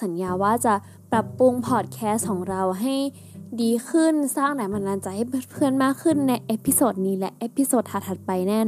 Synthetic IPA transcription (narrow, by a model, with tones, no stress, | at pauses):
sa˩˦njaː˧waː˥˩t͡ɕa˨˧˩ | pɾa˨˧˩pːu˧ŋpʰɔː˨˩t̪̚kʰɛː˧˥skʰɔː˩˦ŋɾa˧wɦa˥˩j | diː˧kʰɯ˧˥˩nsaː˥˩ŋdaː˨˦ma˧nlaː˧nt͡ɕa˧ha˧˥˩pʰɯ˧˩ə˨nmaː˥˩kʰːɯ˧˥˩nːa˧jʔe˦˥pʰi˧˥soː˨˩t̪̚niː˧˥lɛ˦˥ʔʔe˦˥pʰi˧˥soː˨˩t̪̚ʰaː˧˩t̪ʰa˨˧˩t̪̚pa˧jnɛː˥˩